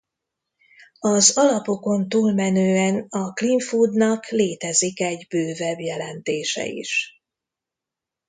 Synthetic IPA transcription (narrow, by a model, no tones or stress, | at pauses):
ɒzɒlɒpo̞ko̞nt̪uːlmɛnøːɛnɒkliɱfud̪nɒkleːt̪ɛzikɛɟbøːvɛbjɛlɛnt̪eːʃɛ̰ḭʃ